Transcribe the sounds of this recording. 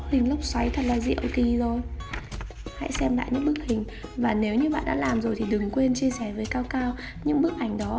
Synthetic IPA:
hï˨˩ŋ̟lə˦˥wk͡p̚swa˨˦jt̪ʰə˨˩t̚laː˨˩zḭ˧˨ə̰˨wki˨˩zo˨˩j | ha̰˧˥jsɛ˧mla̰ː˧˨jɲɨ̰˧˥ŋɓɨ˦˥ək̚hï˨˩ŋ̟ | vaː˨˩ne˨˦wɲɨ˧ɓa̰ː˧˨nɗa̰ː˧˥laː˨˩mzo˨˩jt̪ʰi˨˩ɗɨ˨˩ŋkwe˧nt͡ɕi˧əsɛ˧˩vəː˨˦jkaː˧wkaː˧w | ɲɨ̰˧˥ŋɓək̚ʔa˧˩jŋ̟ɗɔ˨˦

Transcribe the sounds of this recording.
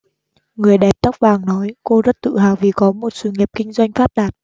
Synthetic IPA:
ŋɨ˨˩əjɗɛ˨˩p̚t̪ə˦˥wk͡p̚vaː˨˩ŋnɔ˨˦jko˧zə˦˥t̚t̪ɨ̰˧˨ɦaː˨˩wvi˨˩kɔ˨˦mo˨˩t̚sɨ˧˨˩ŋi˨˩p̚kï˧ŋ̟zwa˧jŋ̟faː˦˥p̚ɗaː˨˩t̚

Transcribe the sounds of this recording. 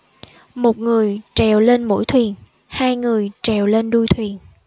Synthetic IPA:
mo˨˩t̚ŋɨ˨˩əjt͡ɕɛ˨˩wle˧nmo̰˧˥jt̪ʰwi˨˩ən | haː˧jŋɨ˨˩əjt͡ɕɛ˨˩wle˧nɗu˧jt̪ʰwi˨˩ən

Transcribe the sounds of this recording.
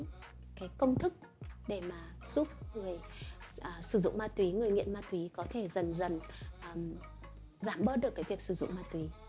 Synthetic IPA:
kaː˨˦jkə˧wŋ͡mt̪ʰɨ˦˥k̚ | ɗe˧˩maː˨˩ | z̥u˦˥p̚ŋɨ˨˩əjː | sɨ˧˩zʊ̰˧˨ŋ͡mmaː˧t̪wi˨˦ŋɨ˨˩əjŋḭ˧˨ənmaː˧t̪wi˨˦kɔ˨˦t̪ʰe˧˩zə˨˩nzə˨˩nʔm | zaː˧˩mɓəː˦˥t̚ɗɨ˨˩əkːaː˨˦jvi˨˩ək̚sɨ˧˩zʊ̰˧˨ŋ͡mmaː˧t̪wi˨˦

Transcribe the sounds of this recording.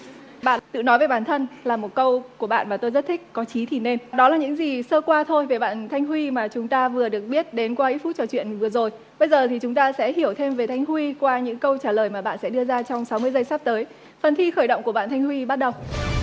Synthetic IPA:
ɓa̰ː˧˨nt̪ɨ̰˧˨nɔ˨˦jve˨˩ɓaː˧˩nt̪ʰə˧nlaː˨˩mo˨˩t̚kə˧wku˧˩əɓa̰ː˧˨nmaː˨˩t̪o˧jzə˦˥t̚t̪ʰï˦˥k̟̚kɔ˨˦t͡ɕi˨˦t̪ʰi˨˩ne˧nɗɔ˨˦laː˨˩ɲɨ̰˧˥ŋzi˨˩səː˧kwaː˧t̪ʰo˧jve˨˩ɓa̰ː˧˨nt̪ʰa˧jŋ̟hwi˧maː˨˩t͡ɕʊ˨˦ŋ͡mt̪aː˧vɨ˨˩əɗɨ˨˩ək̚ɓi˦˥ət̚ɗe˨˦nkwaː˧ʔi˦˥fu˦˥t̚t͡ɕɔ˧t͡ɕwḭ˧˨ənvɨ˨˩əzo˨˩j | ɓə˧jzəː˨˩t̪ʰi˨˩t͡ɕʊ˨˦ŋ͡mt̪aː˧sɛ̰˧˥hi˧˩əwt̪ʰe˧mve˨˩t̪ʰa˧jŋ̟hwi˧kwaː˧ɲɨ̰˧˥ŋkə˧wt͡ɕaː˧˩ləː˨˩jmaː˨˩ɓa̰ː˧˨nsɛ̰˧˥ɗɨ˧əzaː˧t͡ɕɔ˧wŋ͡msa˨˦wmɨ˧əjzə˧jsa˦˥p̚t̪əː˨˦j | fə˨˩nt̪ʰi˧xəː˧˩jɗo̰˧˨wŋ͡mku˧˩ɓa̰ː˧˨t̪ʰa˧jŋ̟hwi˧ɓa˦˥t̚ɗə˨˩w

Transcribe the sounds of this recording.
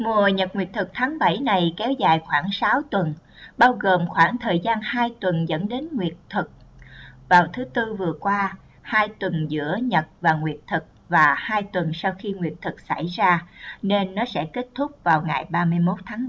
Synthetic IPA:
ŋu˨˩əɲə˨˩t̚ŋwi˨˩ət̚t̪ʰɨ˨˩k̚t̪ʰaː˨˦ŋɓa˧˩jna˨˩jkɛ˨˦wza̰ː˨˩jxwaː˧˩ŋsa˨˦wt̪wə˨˩n | ɓaː˧wɣo˨˩mxwaː˧˩ŋt̪ʰəː˨˩jzaː˧nhaː˧jt̪wə˨˩nzə̰˧˥nɗe˨˦nŋwi˨˩ət̚t̪ʰɨ˨˩k̚vaː˨˩wt̪ʰɨ˨˦t̪ɨ˧vɨ˨˩əkwaː˧ | haː˧jt̪wə˨˩nzɨ̰˧˥əɲə˨˩t̚vaː˨˩ŋwi˨˩ət̚t̪ʰɨ˨˩k̚vaː˨˩haː˧jt̪wə˨˩nsa˧wxi˧ŋwi˨˩ət̚t̪ʰɨ˨˩k̚sa̰˧˩jzaː˧ne˧nːɔ˨˦sɛ̰˧˥ke˦˥t̚t̪ʰʊ˦˥k͡p̚vaː˨˩wŋa˨˩jɓaː˧mɨ˧əjmo˦˥t̚t̪ʰaː˨˦ŋ˦

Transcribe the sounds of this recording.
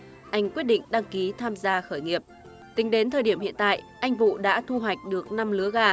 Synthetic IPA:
ʔa˧jŋ̟kwi˦˥t̚ɗḭ˧˨ŋ̟ɗa˧ŋki˨˦t̪ʰaː˧mzaː˧xəː˧˩jŋi˨˩əp̚ | t̪ï˨˦ŋ̟ɗe˨˦nt̪ʰəː˨˩ɗi˧˩əmhḭ˧ənt̪a̰ː˧˨jʔa˧jŋ̟vṵ˧˨ɗa̰ː˧˥t̪ʰu˧ɦwa˨˩jk̟̚ɗɨ˨˩ək̚na˧mlɨ˨˦əɣaː˧

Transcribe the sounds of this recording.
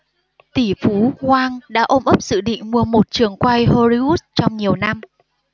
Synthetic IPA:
t̪i˧˩fu˨˦kwaː˧ŋɗa̰ː˧˥ʔo˧mʔə˦˥p̚zɨ̰˧˨ɗḭ˧˨ŋ̟mu˧˩əmo˨˩t̚t͡ɕɨ˨˩əŋkwa˧jho˧zi˧u˦˥t̚t͡ɕɔ˧wŋ͡mɲi˨˩əwna˧m

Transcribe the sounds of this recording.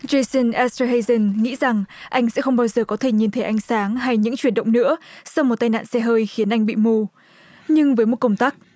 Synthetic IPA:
ze˧jsə˧nʔɛ˦st̪ə˧ɦe˧jzə˧nŋḭ˧˥za˨˩ŋʔa˧jŋ̟sɛ̰˧˥xə˧wŋ͡mɓaː˧wzəː˨˩kɔ˨˦t̪ʰe˧˩ɲi˨˩nt̪ʰe˨˦ʔa˧jŋ̟saː˨˦ŋɦa˧jɲɨ̰˧˥ŋt͡ɕwi˧˩ənɗə̰˧˨ŋ͡mnɨ̰˧˥əsa˧wŋ͡mmo˨˩t̚t̪a˧jna̰ː˧˨nsɛ˧ɦəː˧jxi˨˦ənʔa˧jŋ̟ɓḭ˧˨mu˧ | ɲɨ˧ŋvəː˨˦jmo˨˩t̚kə˧wŋ͡mt̪aː˦˥k̚

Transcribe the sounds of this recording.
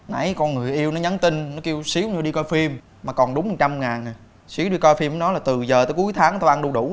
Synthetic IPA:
na̰˧˩jkɔ˧nŋɨ˨˩əjʔi˧əwnɔ˨˦ɲə˨˦nt̪ï˧ŋnɔ˨˦ki˧əwsi˨˦əwɲɨ˧ɗi˧kɔ˧jfi˧mː | aː˨˩kɔ˨˩nɗʊ˨˦ŋ͡mmə˨˩t͡ɕa˧mŋaː˨˩n˨˩ | si˨˦əwɗi˧kɔ˧jfi˧m˨˦nɔ˨˦laː˨˩t̪ɨ˨˩zəː˨˩t̪əː˨˦ku˨˦jt̪ʰaː˨˦ŋt̪o˧ʔa˧nɗu˧ɗu˧˩

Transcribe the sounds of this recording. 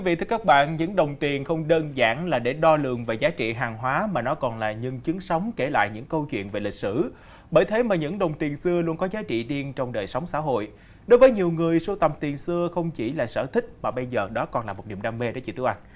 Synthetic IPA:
i˦vḭ˧˨t̪ʰɨ˧əkaː˦˥k̚ɓa̰ː˧˨nɲɨ̰˧˥ŋɗə˨˩wŋ͡mt̪i˨˩ənxə˧wŋ͡mɗəː˧nza̰ː˧˥˩ŋlaː˨˩ɗe˧˩ɗɔ˧lɨ̰˨˩əŋve˨˩zaː˨˦t͡ɕḭ˧˨ɦaː˨˩ŋɦwaː˨˦maː˨˩nɔ˨˦kɔ˨˩nla̰ː˨˩ɲɨ˧˩ŋt͡ɕɨ˨˦əŋsə˨˦wŋ͡mke˧˩la̰ː˧˨jɲɨ̰˧˥ŋkə˧wt͡ɕwḭ˧˨ənve˨˩lï˨˩k̚sɨ˧˩ | ɓəː˧˩jt̪ʰe˨˦maː˨˩ɲɨ̰˧˥ŋɗə˨˩wŋ͡mt̪i˨˩ənsɨ˧əlu˧ənkɔ˨˦zaː˨˦t͡ɕḭ˧˨ɗi˧ənt͡ɕɔ˧wŋ͡mɗəː˨˩jsə˨˦wŋ͡msa̰ː˧˥˨ɦo̰˧˨j | ɗo˨˦jvəː˨˦jɲi˨˩əwŋɨ˨˩əjso˧˦t̪ə˨˩mt̪i˨˩ənsɨ˧əxə˧wŋ͡mt͡ɕi˧˩laː˨˩sə̰ː˧˩t̪ʰï˦˥k̟̚maː˨˩ɓə˧jzəː˨˩ɗɔ˨˦kɔ˨˩nlaː˨˩mo˨˩t̚ɗḭ˧˩ənɗaː˧me˧ɗo˨˦t͡ɕḭ˧˩t̪ɨ˨˦əʔa˧jŋ̟

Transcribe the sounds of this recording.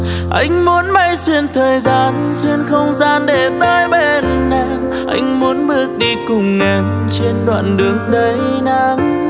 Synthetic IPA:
ʔa˧jŋ̟mu˨˦ənma˧jswi˧ənt̪ʰəː˨˩jzaː˧˩n | swi˧ənxə˧wŋ͡mzaː˧nɗe˨˦t̪əː˧jɓe˨˩nːa˧˩m | ʔa̰˧jŋ̟mu˨˦ənɓɨ˧˩ək̚ɗi˧kʊ˨˩ŋ͡mːe˨˩n | t͡ɕe˧nɗwa̰ː˧˨nɗɨ˨˦əŋɗə˨˧˦jna˧˦m

